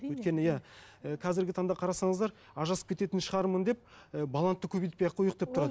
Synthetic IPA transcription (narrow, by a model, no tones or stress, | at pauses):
wɵjt̪kʲe̞nɪjæəqʰɑzɪɾɡʲɪt̪ʰɑŋd̪ɑqʰɑɾɑsɑɴəzd̪ɑɾ | ɑʒɑsə̥p̚kʰʲet̪e̞t̪ɪnʃəʁɑɾmənd̪e̞p̚əbɑlˠant̪ːəkʲʰɵbet̪pejɑqʰojəq̚d̪ept̪ʰʊɾɑd̪